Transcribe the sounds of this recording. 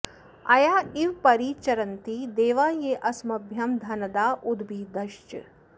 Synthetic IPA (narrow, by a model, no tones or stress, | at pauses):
ɐjaːiʋpɐɾiːt͡ʃɐɾɐnt̪id̪eːʋaːjeːʔɐsmɐbʱjɐmd̪ʱɐnɐd̪aːʔud̪biːd̪ɐʃt͡ʃ